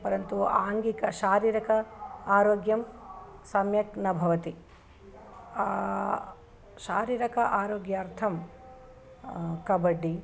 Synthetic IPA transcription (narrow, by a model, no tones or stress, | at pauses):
pɐɾɐnt̪uaːŋɡikɐʃaːɾiːɾɐkɐaːɾoːɡjɐmsɐmjɐknɐbʱɐʋɐt̪i | a | ʃaːɾiːɾɐkɐʔaːɾoːɡjɐːɾt̪ʰɐm | kɐbɐɖi